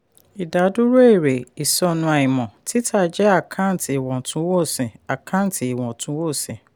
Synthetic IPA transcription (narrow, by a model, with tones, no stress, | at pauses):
i˨da˨˦du˦ɾo˦e˦˨ɾe˨i˨sɔ˦nũ˧˦a˨ĩ˨mɔ̃˨ti˦tʰa˦˨d͡ʒɛ˦a˦˨kʰa˦n̩˨˦ti˨i˨wɔ̃˨tũ˦wo˦˨sɛ̃˨a˨kʰa˦n˦ti˨i˨wɔ̃˨tʰũ˨˦wo˦˨sɛ̃˨